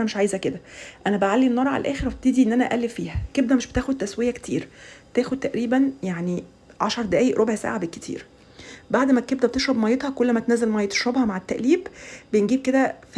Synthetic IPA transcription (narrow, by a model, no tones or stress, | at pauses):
ænæmeʃʕaːjzæked̪æʔænæbeʕalːiʔenːɑɾˤɑʕa̰lælʔæ̰ːxeɾˤæb̚t̪id̪iʔenːʔænæʔæʔælːefiːhækeb̚d̪æmeʃbe̥t̪æːxod̪̚t̪æswejæke̥t̪ʰḭːɾt̪æːxod̪̚t̪æʔɾiːbænjaʕni | ʕaʃɑɾˤd̪æʔæːjeʔɾʔobʕsa̰ːʕabelkːe̥t̪ʰḭːɾ | baʕd̪mækeb̚d̪æb̚et̪eʃɾˤɑbmɑjːet̪hɑkolːæmæt̪enæːzelmæjːet̪e̥ʃɾɑbhɑmaʕet̪ːæʔliːbbeenɡiːb̚ked̪æf